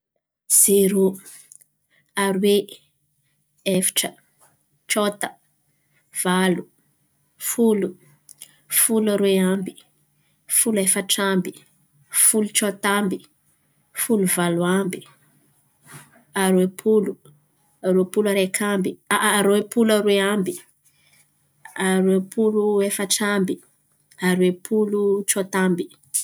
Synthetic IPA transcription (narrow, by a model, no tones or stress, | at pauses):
z̥eɾu | aɾwe | efi̥ʈ͡ʂə | t͡ʃot̪ə̥ | v̥alu | fulu | fulaɾweambi | fulefəʈ͡ʂambi | fulut͡ʃot̪ambi | fuluvaluambi̥ | aɾuepʰulu | aɾuepulaɾekʰambiaɾuepulaɾweambi | aɾepʰuluefəʈ͡ʂambi | aɾwepʰulut͡ʃot̪ambi